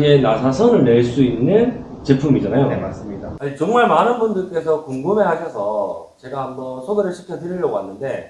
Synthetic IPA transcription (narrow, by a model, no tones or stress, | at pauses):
ɲenasʰasʰʌnɯɭne̞ɭs͈uinːɯn | t͡ɕe̞pʰumid͡ʑanajonemas͈ɯmɲidaat͡ɕʌŋmaɭmanɯnbundɯɭk͈e̞s̬ʰʌkoŋɡume̞ɦaɕʰʌsʰʌ | t͡ɕe̞ɡaambʌnsʰoɡeɾɯɭɕʰikʰjʌtɯɾiʎːjʌɡoanːɯnde̞